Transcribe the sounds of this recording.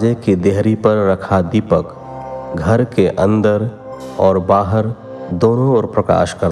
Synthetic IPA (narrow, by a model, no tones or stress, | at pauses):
d͡ʒekid̪eɦɾipəɾːəkʰad̪ipək | ɡʱəɾkeʔə̃nd̪əɾ | ɔːɾbaːɦəɾ | d̪oːnõɔːɾpɾəka̰ːʃkəɾ